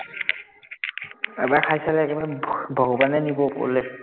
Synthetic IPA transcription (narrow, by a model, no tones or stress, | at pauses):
ɛ̰baɹkʰajsalɛɛkɛbaɹbʱɔɡɔbanɛnibɔpo̰lɛ